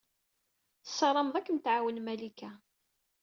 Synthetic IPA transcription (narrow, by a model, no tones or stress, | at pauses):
θə̥sːɑɾˤɑmðˤækːənt̪ʕawənmælikæ